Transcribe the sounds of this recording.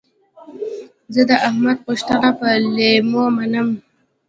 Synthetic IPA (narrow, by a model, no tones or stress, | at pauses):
zəd̪əʔahmad̪̚puʂt̪anapəlemomanəm